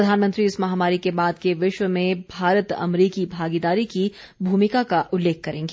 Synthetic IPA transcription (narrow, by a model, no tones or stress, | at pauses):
ɾɐd̪ʱaːnmə̃nt̪ɾiɪsmɐɦamaːɾikebaːd̪keʋɪʃwəmẽbʱaːɾət̪ɐ̰mɾiːkibʱaːɡid̪aːɾiki | bʱuːmɪkakaʔʊlːeːk̚ʰkɐɾẽːŋɡeː